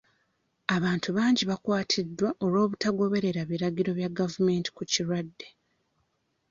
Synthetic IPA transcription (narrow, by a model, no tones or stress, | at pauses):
aβaːntuβaːɲɟiβakwaːtʰidːwaʔo̞lwo̞ːβutaɡo̞βe̞ɾe̞ɾaβiɾaɟiɾo̞βjaɡavume̞ːnti̥kuciɾwadːe̞